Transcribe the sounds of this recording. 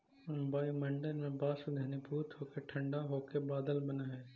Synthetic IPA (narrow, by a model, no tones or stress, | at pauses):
ʊ̃mbaːimɐ̃ɳɖənmẽbaːsʊd̪ʱeːnibʱuːt̪ɦoːkeʈʰɐ̃ɳɖaɦoːkebaːd̪əlbɐnaɦɛː